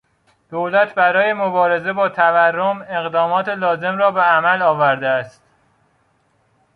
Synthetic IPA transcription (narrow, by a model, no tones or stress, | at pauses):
d̪̥olæt̪ʰbæɾɒːje̞mobɒːɾe̞ze̞bɒːt̪ʰæværːome̞ɣd̪ɒːmɒːt̪ʰelɒːze̞mɾɒːbeæmælɒːvæɾd̪eæst̪